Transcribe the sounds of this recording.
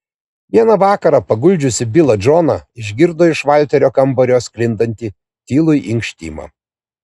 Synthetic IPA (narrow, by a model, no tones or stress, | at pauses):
ʋʲiɛnɐʋɑːkɐɾɑːpɐɡʊlʲd͡ʒʲʊsʲɪbʲɪlˠɐd͡ʒoːnɐɪʒʲɡʲɪɾd̪oːɪʃʋɑˑlʲt̪ʲɛɾʲoːkɐmbɔɾʲoːsklʲɪnd̪ɐnʲt̪ʲiː | t̪ʲiːlˠʊjʔɪŋkʃʲt̪ʲḭːmɑ̰